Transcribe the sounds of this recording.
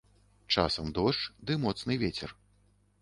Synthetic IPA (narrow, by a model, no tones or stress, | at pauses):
t͡ʂa̰sɐmd̪ɔʂt͡ʂd̪ɨmɔt̪snɨvʲet͡sʲɛ̰r